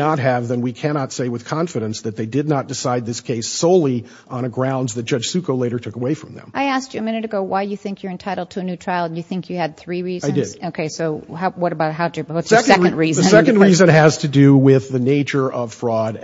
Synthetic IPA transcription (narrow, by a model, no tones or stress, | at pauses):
ət̚ɦɨvðɨ̃nwikʰænɑtseɪwɨð̥kʰɑ̃nfɨɾɨ̃nsðɨt̪̚ðeɪdɨdⁿnət̚d̥ɨsaɪd̪̚ðɪskʰeɪsoʊlˠi | ʔə̃nɨɡɹãʊ̃ndzðɨt̚ʒ̥ʌ̥ʒ̥sʉkoʊleɪɾə˞tʰʊkəweɪfɹʌ̃mðɨ̰̃mʔaɪæst͡ʃɨɨmɪ̃nɨɾɨɡoʊwaɪjɨθɪ̃ŋkʰjə˞ɨ̃ntʰaɪɾl̩ˠd̚tʰɨːnʉtʰɹ̥aɪlˠjɨθɪ̃ŋkʰjɨːd̪̚θɹiɹizaɪdɪdoʊkʰeɪsoʊɦawʌɾəbaʊt̚ɦaʊəwʌtssɛkɛ̃ndɹizðɨ̃sɛkɨ̃n̩dɹizɨ̃nɨz̥tʰɨdɨwɪðɨneɪt͡ʃə˞ʔʌv̥fɹɔɾ